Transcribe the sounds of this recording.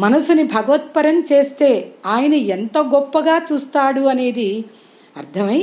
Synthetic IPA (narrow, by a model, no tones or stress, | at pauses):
mɐnɐsunibʱɐɡɐʋɐt̪̚pɐɾɐmt͡ʃe̞ːst̪e̞ːaːjɐnɐent̪oːɡɔpːɐɡaːt͡ʃuːst̪aːɽuɐne̞ːd̪i | ɐɾt̪ʰɐmɐ